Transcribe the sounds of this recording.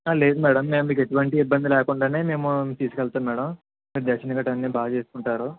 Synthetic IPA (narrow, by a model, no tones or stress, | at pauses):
aːle̞ːd̪umɛːɽɐmːe̞ːmumiːkeʈuʋɐɳʈiːbːɐnd̪ilɛːkuɳɖaːne̞ːme̞ːmut̪iːsu̥kɛlt̪aːmmɛːɽɐm | miːɾud̪ɛːʃɐnɡaːʈɐnːiːbaːɡɐt͡ʃe̞ːsukuɳʈaːɾu